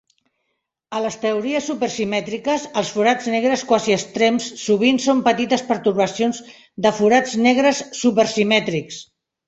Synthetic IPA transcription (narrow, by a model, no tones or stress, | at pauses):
ələst̪əuɾiəsːupərsimɛt̪ɾikəsəlˠsfuɾad͡znɛɣ̞ɾəskwaziəst̪ɾemsːuβ̞insompət̪it̪əspəɾt̪uɾβəsionz | d̪əfuɾad͡znɛɣɾəsːupəɾsimɛt̪ɾiks